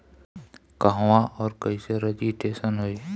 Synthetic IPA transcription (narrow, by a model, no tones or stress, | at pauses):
kɐɦwãʔɔːɾkɐiseɾɐd͡ʒiʈeːsənɦoiː